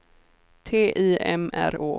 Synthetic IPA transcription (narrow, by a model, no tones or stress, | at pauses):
t̪ʰeːʔiːɛ̰mæ̰ɾoː